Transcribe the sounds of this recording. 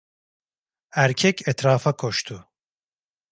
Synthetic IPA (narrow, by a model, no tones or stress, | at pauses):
æɾcʰɛcʰɛt̪ɾaːfakʰo̞ʃt̪ʰʊ